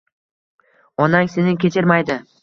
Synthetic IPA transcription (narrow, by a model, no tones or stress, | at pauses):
ɒnaŋse̞nɪŋkʲʰet͡ʃʰɪɾmajd̪ɪ